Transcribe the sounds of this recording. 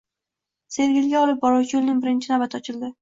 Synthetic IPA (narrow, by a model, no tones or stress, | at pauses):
se̞ɾɡʲɪlɡʲaɒlˠɪp̚bɒɾɒwt͡ʃjolˠnɪŋbɪɾɪnt͡ʃʰɪnabat̪ʰɒt͡ʃʰɪld̪ɪ